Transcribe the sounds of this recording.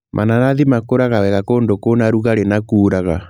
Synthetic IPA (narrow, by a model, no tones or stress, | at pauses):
mʔa̰nanaðimakoɾaɣawɛɣakondokonaɾuɣaɾenakuːɾaɣa